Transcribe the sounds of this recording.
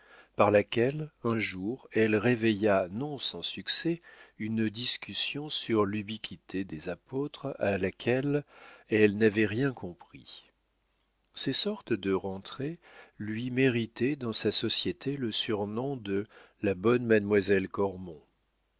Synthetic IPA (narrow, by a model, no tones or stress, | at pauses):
paʁlakʲɛlɛ̃ʒuʁɛlʁevejanɔ̃sɑ̃syksɛynd̪iskʲysjɔ̃syʁlybikʰʲit̪ʰed̪ezapot̪χalakʰʲɛlɛlnavɛʁjɛ̃kɔ̃pχḭ | sɛsɔʁt̪əd̪əʁɑ̃t̪χe | lɥimeʁit̪ɛd̪ɑ̃sasɔsjet̪ʰeləsyʁnɔ̃d̪əlabɔnmad̪mwazɛlkɔʁmɔ̃